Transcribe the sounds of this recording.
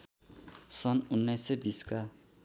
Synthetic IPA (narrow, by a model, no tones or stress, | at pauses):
sʌnunːʌjsʌbiska